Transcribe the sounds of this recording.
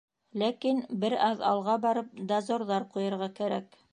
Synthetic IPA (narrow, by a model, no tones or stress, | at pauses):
lækinbɘɾɑðɑ̰lˠʁɑbɑɾɤp̚d̪ɑzoɾðɑɾqujɤ̆ɾʁɑkæɾæk